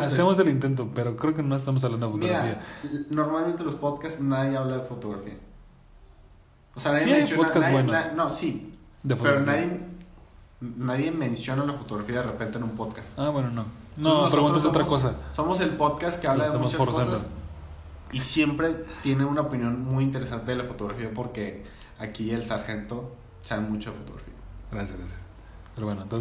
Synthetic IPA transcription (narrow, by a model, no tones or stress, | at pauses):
asemozelint̪̬e̞nt̪̬opeɾo̞kɾe̞ok̬enoest̪amos̬aβland̪oefomoiɣɾafiano̞ɾmalmẽnt̪elospo̞ðkast̪naðjeaβlaðefot̪oɣɾafia | osenaðjeiẽsjopokazbwenoasnosi | d̪efotpeɾonnaðje | naðje̞mẽnsjo̞nalafot̪oɣɾafiaðerepe̞nt̪enũmpoðkasaβwe̞no̞nonopɾeɣuasot̪ɾakos̬aso̞mo̞se̞lpo̞ðkast̪keaβlaðemumt͡ʃaokosas | isje̞mpɾe̞t̪je̞neũnaopinjo̞nmujint̪̬e̞ɾe̞sant̪eelafo̞t̪o̞ɣɾafiapo̞ɾke̞ | akielsaɾxe̞nt̪o̞ | saβemut͡ʃo̞ðefot̪o̰ɣɾa̰fḭaɡɾasjazɡɾasjḁs | peɾoβwenoent̪ons